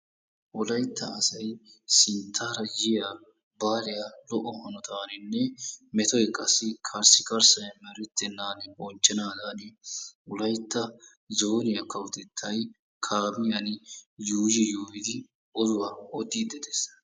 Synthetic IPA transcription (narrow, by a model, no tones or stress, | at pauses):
ʔʊlɐjt̪ːɐːsɐjsɪnt̪ʰːaːɾɐjɪja | baːlɪjalɔʔɔhɐnɔt̪aːnɪnːɛmɛt̪ɔjkʼɐsːɪkʰɐɾsɪkɐɾsɐjɐmɛɾɪt̪ːɛnːaːnɪʔɔnt͡ʃːɛnaːd̪aːnɪʊlɐjt̪ːɐ | zoːnɪjɐkːɐwʊt̪ɛt̪ʰːɐj | kʰaːmɪjɐnjuːd͡ʒɪjoːjɪd̪ɪ | ɔzʊwaɔd̪iːd̪ɛd̪es